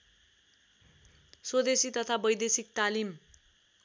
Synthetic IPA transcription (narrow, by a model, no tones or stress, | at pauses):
swod̪esit̪ʌt̪ʰabʌjd̪esik̚t̪alim